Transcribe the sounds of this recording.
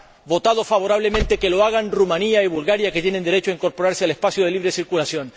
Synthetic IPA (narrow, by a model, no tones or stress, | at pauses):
bo̞t̪aðo̞faβo̞ɾaβle̞mẽnt̪e̞ke̞lo̞aɣ̞anrumaniaiβulɣaɾjake̞t̪je̞ne̞nd̪e̞ɾe̞t͡ʃoaiŋko̞ɾpo̞ɾaɾsealespasjoðe̞liβɾe̞siɾkulasjo̞n